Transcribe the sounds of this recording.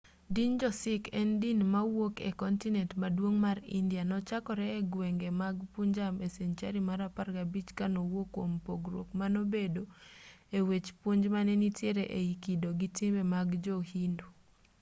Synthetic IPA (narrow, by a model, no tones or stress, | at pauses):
dind͡ʒɔsɪkɛndinmawokḛkɔntinɛntmadwoŋmaɾḭndijanɔt͡ʃakɔɾɛːɡweŋɡemaɡpuɲd͡ʒameseɲt͡ʃaɾimaɾaparkabit͡ʃkanowokːompoɡɾo̰kmanobedoewet͡ʃpuɲd͡ʒmanɛnitjeɾeʔeikidoɡitɪmɛmaɡd͡ʒohindu